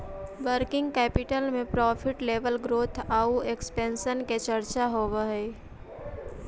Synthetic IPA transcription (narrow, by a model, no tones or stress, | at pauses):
ʋəɾkɪ̃ŋɡ̚kɛːpɪʈəlmẽpɾɔːpʰɪʈleːʋəlɡɾoːt̪ʰaːuekspɛ̃ːnʃənket͡ʃəɾt͡ʃaɦoːʋəɦɛː